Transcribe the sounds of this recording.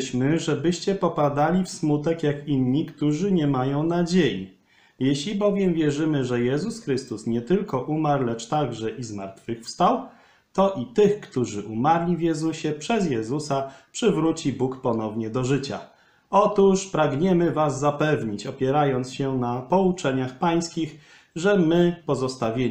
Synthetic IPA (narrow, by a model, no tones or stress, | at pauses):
ɕmɘʐɛbɘɕt͡ɕɛpɔpad̪alʲifsmut̪ɛkjakinɲikt̪uʐɘɲɛmajɔ̃w̃nad͡ʑejḭ | jɛɕlʲibɔvʲjɛmvʲjɛʐɘmɘʐɛjɛzusxɾɘst̪usɲɛt̪ɘlkɔʔumaɾlɛt͡ʂt̪aɡʐɛʔizmaɾt̪fɘxfst̪aw | t̪ɔʔit̪ɘxkt̪uʐɘʔumaɾlʲivjɛzuɕɛpʂɛzjɛzusapʂɘvɾut͡ɕibukpɔnɔvɲɛd̪ɔʐɘt͡ɕa̰ | ɔt̪uʂpɾaɡɲɛmɘvazːapɛvɲit͡ɕɔpʲjɛɾajɔnt̪sɕɛnapɔut͡ʂɛɲaxpaj̃skʲix | ʐɛmɘpɔzɔst̪avʲje